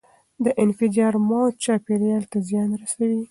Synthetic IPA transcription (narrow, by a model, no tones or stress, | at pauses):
d̪əʔɪnfɪdɑɾmɑt͡ʃɑpeɾjɑlt̪azjɑnɾasawi